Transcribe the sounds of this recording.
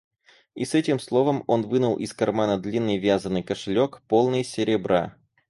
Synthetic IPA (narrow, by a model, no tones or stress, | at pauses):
ḭsɛtʲɪmslˠo̞vəmo̞nvɨnʊlˠʔɪskɐrmanəd̪lʲinːɨjvʲazənːɨjkəʂɨlʲokpolˠnɨjəsʲɪɾʲɪbɾa̰